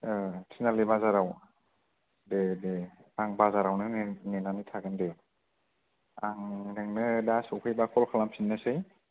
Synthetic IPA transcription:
tʰinalibazaɾaw | dedeaŋbazaɾawnɯnenanitʰaɡɯnde | aŋnɯŋnɯdasɔwkʰɯjbakʰɔlkʰalampʰinːasɯj

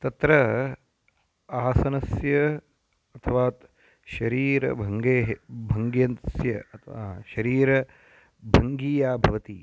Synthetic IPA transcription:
t̪ɐt̪ɾɐ | aːsɐnɐsjɐ | ɐt̪ʰɐʋaːt̪ | ʃɐɾiːɾɐ̰bʱɐŋɡeːɦbʱɐŋɡjɐnsjɐt̪aʃɐɾiːɾɐ | bʱɐŋɡiːjaːbʱɐʋɐt̪i

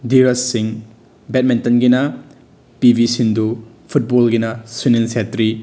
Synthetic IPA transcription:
diɾɐsːiŋ | bɛt̚mintɐnɡinɐ | pibʱisindu | pʰut̚bolɡinɐsuninsetɾi

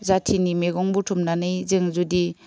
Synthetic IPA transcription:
zatʰinimeɡɔŋbutʰumnanɯjzeŋzudi

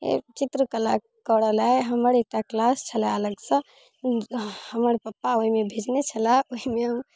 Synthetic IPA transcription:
ḛt͡ʃit̪ɾəkəla | kəɽəlaeɦəməɾek̚ʈaklast͡ʃʰəlɛələɡsə̃ | həməɾpəpːaoɦimebʱed͡ʒnet͡ʃʰəlaoɦimeɦəm

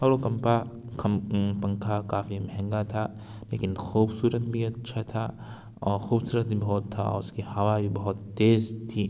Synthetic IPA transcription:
ɐɾokɐmpa | kʰɐmpɐ̃ŋkʰakaːfimɐɦɛ̃ŋɡat̪ʰa | lḛːkɪnxuːbsuːɾət̪̚bʱiɐtːʃʰat̪ʰa | ɔːɾxuːbsuːɾət̪̚bʱibɔɔt̪ʰːa̰ɔ̰ːʊskihɐwabʱibɐɦʊt̪ːeːzt̪ʰiː

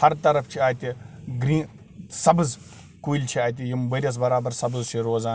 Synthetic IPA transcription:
hɐɾt̪ɐɾɐft͡ʃʰiaːt̪ʲiɡɾĩː | sɐbɨz | kujilʲt͡ʃʰiaːt̪̬ʲijimbɐɾʲɐs̬bɐɾaːbɐɾsɐbɨzt͡ʃʰiɾoːzaːn

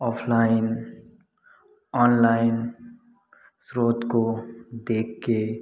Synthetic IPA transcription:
ɔːpʰlaɪn | ɔːnlaɪn | sɾoːt̪kod̪eːkʰːe

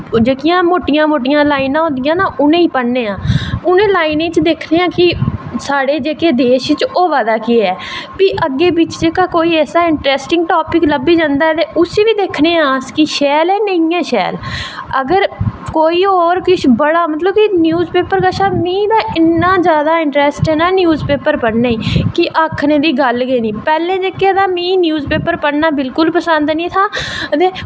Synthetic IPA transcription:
d͡ʒeːkɪjãːmoːʈɪjãːmoːʈɪjãːlaːinãːɦõːnd̪ɪjãːnaːʔʊnẽːiːpəɽnẽːãːʊnẽːlaːinẽːt͡ʃd̪eːkʰneːãːkɪsaːɽeːd͡ʒeːkeːd̪eːʃɪt͡ʃoːʋaːd̪aːkiɛːpiːʔəɡːeːbɪt͡ʃd͡ʒeːkaːkoːiːɛːsaːɪɳʈɾɛːsʈɪ̃ŋɡʈoːpɪkləbiːd͡ʒãːnd̪aːɛt̪eːʔʊseːʋiːd̪eːkʰneːãːskiʃɛːlɛːnəĩãːʃɛ̰ːləɡəɾkoːiːɔːɾkɪt͡ʃʰbəɽaːmət̪̬ləb̚kɪnjuːzpeːpəɾkaʃaːmĩːd̪aːɪnːãːd͡ʒjaːd̪aːɪɳʈɾɛːsʈɛːnaːnjuːzpeːpəɾpəɽnaiːkɪʔaːkʰnẽːd̪iːɡəlɡeːnĩːpɛːlẽːd͡ʒeːked̪aːmĩːnjuːzpeːpəɾpəɽnaːbɪlkʊlpəsə̃nd̪nĩːt̪ʰaːt̪eː

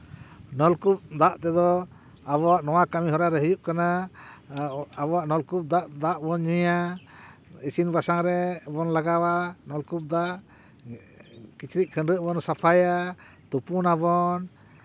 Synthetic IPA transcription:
nɔlkup̚d̪aʔt̪ɛd̪ɔ | aβɔwaʔnɔwakamiɦɔɾaɾɛɦəjuʔkana | abɔwaʔnɔlkup̚d̪aʔd̪aʔbɔɲuja | isinbasaŋɾɛbɔnlaɡawanɔlkup̚d̪aʔ | kit͡ʃɾic̚kʰəɳɖɾəʔbɔnsapʰaja | t̪upunabɔn

